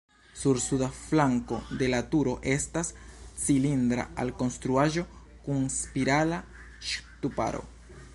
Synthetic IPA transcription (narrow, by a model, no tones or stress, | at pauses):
suɾsuðaflaŋkod̪e̞lat̪uɾo̞ʔest̪ast͡silind̪ɾa̰a̰lkonst̪ɾuaʒo̞ | kuŋspiɾala | ʃt̪upa̰ɾo̰